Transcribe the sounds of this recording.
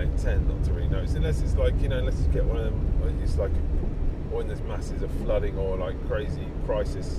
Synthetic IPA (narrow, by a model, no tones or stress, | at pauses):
ɪ̃ntʰɛ̃nðə̰tʰəɹḭnəʊsə̃nlɛsɪtslaɪkjɨnoʊə̃nlɛsʌ̥sɡ̥ɛʔwʌ̃nəðə̃məd͡ʒistlaɪk | ɔɪ̃nðəzmasɪzəv̥flʌɾɪ̃ŋəlaɪkʰːɹ̥eɪzikʰɹ̥aɪsɪs